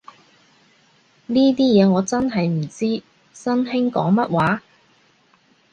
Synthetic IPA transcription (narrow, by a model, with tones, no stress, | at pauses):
niː˥t̪iː˥jɛː˨˧ŋɔː˨˧t͡sɐ˥nɦɐ˨jm̩˨˩t͡siː˥ | sɐ˥nɦɪ˥ŋkɔ̰ː˨˥ŋmɐ˦˥t̚waː˨˥